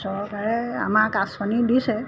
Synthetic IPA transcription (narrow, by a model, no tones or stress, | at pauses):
sɔɹɔkaɹɛa̰makaspanidisɛ